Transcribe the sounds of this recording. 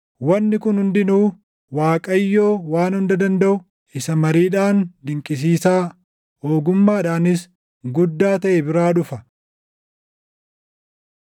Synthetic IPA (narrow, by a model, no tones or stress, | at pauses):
wɐnːɪkʊnhʊnd̪ɪnuː | waːkʼɐjːo̞ːwaːnhʊnd̪ɐd̪ɐnd̪ɐʔʊ | ɪsɐmɐɾiːᶑaːnd̪ɪŋkʼɪs̬iːsaː | oːɡʊmːaːᶑaːnɪs | ɡʊd̪ːaːt̪ɐʔebɪɾaːᶑʊfɐ